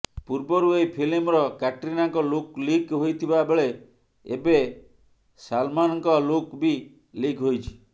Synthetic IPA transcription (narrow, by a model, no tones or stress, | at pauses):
puɾbɔɾuejpʰilimɾɔkaʈɾinaŋkɔluklikɦojt̪ʰibabeɭe | ḛbe | salmanɔŋkɔlokbi | likɦojt͡ʃʰi̥